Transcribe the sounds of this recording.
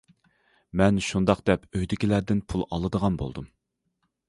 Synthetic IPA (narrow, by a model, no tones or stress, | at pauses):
mɛnʃund̪ɑqd̪̥ɛpøjd̪ɪkʲilæɾd̪ɪnpʰulˠɑ̰lˠɨd̪əʁɑnbo̰lˠd̪um